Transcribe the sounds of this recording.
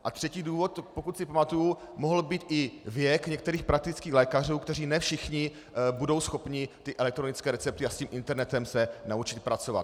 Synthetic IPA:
ʔat̪r̝̥ɛciːduːvot̪pokut̪sɪpamat̪uju | moɦl̩biːt̪ʔɪvjɛkɲɛk̚t̪ɛɾiːxpɾak̚t̪ɪt͡skiːɣlɛːkar̝uːkt̪ɛr̝iːnɛfʃɪxɲɪ | budo̞wsxo̞pɲɪt̪ɪʔɛlɛk̚t̪ɾo̞nɪt͡skɛːɾɛt͡sɛp̚t̪ɪasciːmʔɪnt̪ɛɾnɛt̪ɛmsɛnaut͡ʃɪt̪̚pɾat͡so̞va̰t̪

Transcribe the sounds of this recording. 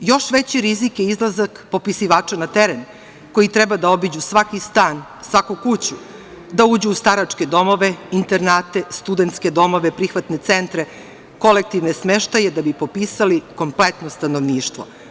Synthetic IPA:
jo̞ʃʋet͡ɕiɾizikjeizlˠazakpo̞pisiʋaːt͡ʃanat̪eɾen | ko̞jit̪ɾɛbad̪ao̞bid͡ʑusʋakist̪aːn | sʋakukut͡ɕu | d̪auːd͡ʑuːst̪aɾat͡ʂke̞d̪o̞mo̞ʋeint̪eɾnaːt̪e̞st̪ud̪ent̪ske̞d̪o̞mo̞ʋepɾixʋat̪ne̞t̪sent̪ɾe | ko̞lek̚t̪iʋnesmeʃt̪ajed̪abipo̞piːsaliko̞mplet̪nost̪ano̞ʋniːʃt̪ʋo̞̰

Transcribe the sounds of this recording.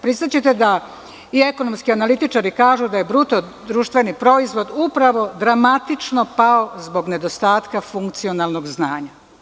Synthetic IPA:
pɾist̪at͡ɕet̪e̞d̪a | ie̞konomskianalit̪it͡ʃaɾikaːʒud̪aje̞bɾut̪o̞ | d̪ɾuːʃt̪ʋe̞nipɾo̞izʋo̞d̪upɾaʋo̞d̪ɾamat̪it͡ʃno̞pao̞zbo̞ɡne̞d̪o̞st̪aːt̪kafuŋkt̪sio̞nalnoɡznaːɲa

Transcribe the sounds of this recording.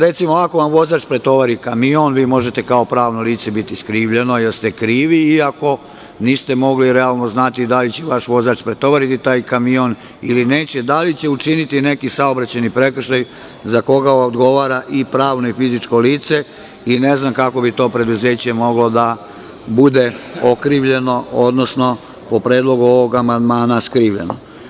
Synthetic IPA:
ɾe̞t̪simoako̞ʋamʋo̞zaːt͡ʃpɾe̞t̪o̞ʋaɾikamionʋiːmo̞ʒe̞t̪e̞kao̞pɾaːʋno̞liːt̪sebit̪iskɾiːʋʎe̞no̞jeɾst̪e̞kɾiːʋiiako̞ | niːst̪emo̞ɡliɾealˠno̞znat̪id̪alit͡ɕeʋaʃʋo̞zaːt͡ʃpɾe̞t̪o̞ʋaɾit̪it̪aːjkamio̞n | ḭline̞ːt͡ɕe̞d̪alit͡ɕeut͡ʃinit̪ine̞kisaobɾat͡ɕanipɾe̞kr̩ʃaj | zako̞ɡaod̪ɡo̞ʋaːɾaʔipɾaːʋno̞ifizit͡ʃko̞liːt̪se̞ | ine̞znamkako̞bit̪o̞ːpɾe̞d̪uze̞ːt͡ɕe̞mo̞ɡlo̞d̪a | bud̪e̞okɾiːʋʎe̞no̞od̪nosno̞ | po̞pɾe̞ːd̪lo̞ɡuo̞ʋo̞ɡamand̪maːnaskɾiːʋʎe̞̰no

